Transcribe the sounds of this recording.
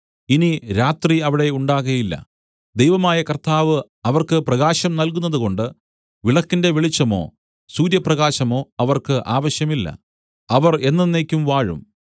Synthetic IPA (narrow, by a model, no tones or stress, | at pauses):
iniɾaːt̪riɐʋiɽe̞uɳɖaːɣɐjilːɐ̰ | d̪ejʋɐmaːjɐkɐrt̪aːʋɨ | ɐʋɐrkɨprɐɣaːɕɐmnɐlkunːɐðuko̞ɳɖɨ | ʋiɭɐkːinde̞ʋiɭit͡ɕːɐmo̞̰ː | suːɾjɐprɐɣaːɕɐmo̞ːɐʋɐrkɨʔaːʋɐɕjɐmilːɐ̰ | ɐʋɐre̞nːɐnːeːkʲːumʋaːɻṵm